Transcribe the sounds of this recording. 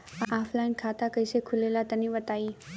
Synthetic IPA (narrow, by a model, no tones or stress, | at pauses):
aːfʰlaːɪnkʰaːt̪akɐɪsekʰʊleːlat̪ɐnĩʋɐt̪aːiː